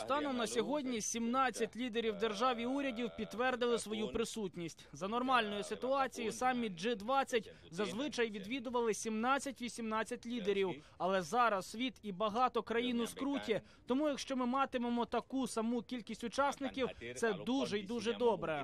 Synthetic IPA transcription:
st̪ɑnɔmnɐsʲɔɦɔdʲnʲisʲimnɑt͡sʲːɐtʲlʲid̪eɾʲiwd̪erʒɑʋʲiuɾʲɐdʲiwpʲid̪t̪ːʋɛrd̪ɪlˠɪsʋɔjupɾɪsutʲnʲisʲtʲzɐnɔrmɑlʲnɔjʊsɪt̪ʊɑt͡sʲijisɑmʲːid͡ʒɪd̪ʋɑt͡sʲːɐtʲ | zɐzʋɪt͡ʃɐjʋʲid̪ʋʲid̪ʊʋɐlˠɪsʲimnɑt͡sʲːɐtʲʋʲisʲimnɑt͡sʲːɐtʲlʲid̪eɾʲiw | ɐlˠɛzɑɾɐssʋʲit̪ibɐɦɑt̪ɔkɾɐjinʊskɾutʲi | t̪ɔmujɐkʃt͡ʃɔmɪmɑt̪ɪmemɔt̪ɐkusɐmukʲilʲkʲisʲtʲʊt͡ʃɑsnɪkʲiwt̪sɛd̪uʒɛid̪uʒɛd̪ɔbɾɛ

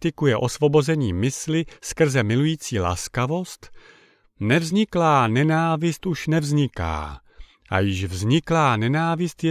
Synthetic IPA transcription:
t̪ɪkujɛʔo̞svo̞bo̞zɛɲiːmɪslɪskr̩zɛmɪlujiːt͡siːla̰skavo̞st̪ | nɛvzɲɪklaːnɛnaːvɪst̪ʔuʃnɛvzɲɪka̰ː | ʔa̰jɪʃvzɲɪklaːnɛnaːvɪst̪j

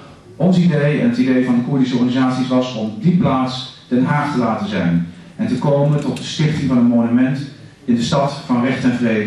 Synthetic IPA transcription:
ʔɔnsidejɛ̰nɦətidejvɑndəkʊɹdisəɔɹχanizaːtsisʋɑsɔmdiplaːtsd̥ɛnɦaːχtəlaːtəzɛjn | ɛntəkowməntɔtdəstɪχtɪŋvɑnənmonymɛnt | ɪndəstɑtfɑnrɛχtɛnvrejdə

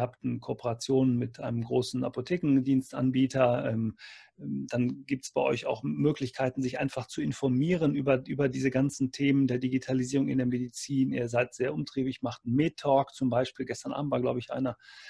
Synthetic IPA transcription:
ɐhaːp̚tn̩kʰopʰəʁat͡sjoːnənmɪtʔaɪnəmɡʁoːsn̩a̰potʰeːkŋ̩diːnstʔa̰nbiːtɐʔɛːm | ɛd̥anɡiːp̚tsb̥aɪʔɔ̰ʏça̰ʊxmøːklɪçkʰaɪtn̩zɪçʔaɪnfaχt͡suɪnfɔɐmiːʁənʔyːbɐʔyːbɐdiːzəɡant͡sn̩tʰeːməndeːɐdiɡitʰaliziːʁ̞ʊŋɪndeːɐmedit͡siːnḭːɐzaɪtz̥eːɐʔʊmtʁ̥iːbɪçmaχtn̩meːtʰːɔːkt͡sʊmbaɪʃpiːlɡɛstɐnʔa̰ːbm̩tvaɐɡla̰ʊbəɪçʔa̰ɪnɐ

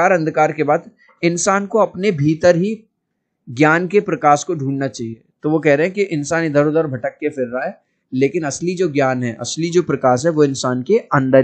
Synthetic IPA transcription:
aːɾɐ̃nd̪ʱkaːɾkebaːd̪ | ɪnsaːnkoɐpnebʱiːt̪əɾɦi | ɡjaːnkepɾɐkaːskoɖʱũːɳnat͡ʃaːɦie | t̪oʋokɛɦɾeɦɛ̃kiʔɪ̃nsaːnid̪ʱəɾoːd̪əɾbʱɐʈəkːefʰɪɾːaɦɛː | leːkɪnɐslid͡ʒoːɡjaːnɦɛʔɐ̰slid͡ʒoːpɾɐkaːʃɦɛʋoɪ̃nsaːnkeɐ̃nd̪əɾ

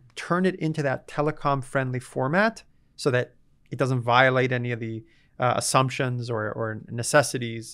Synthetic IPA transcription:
tʰɜ̃˞nɨɾɪ̃ntʉðɨtʰɛlˠəkʰɑ̃ɱfɹɛ̃ndˡlifɔɹmæt | soʊðɨɾ | ɨt̚d̥ʌzə̃n̩tvaɪɨleɪɾɛniʌvði | ə̰sʌ̃mpʃɨ̃nzə˞ə̰˞nɨsɛsɨɾiz̥

